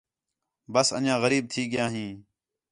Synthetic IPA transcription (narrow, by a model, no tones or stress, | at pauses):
bəsə̰njãːɣəɾiːb̚t̪ʰiːɡɪjãːɦĩː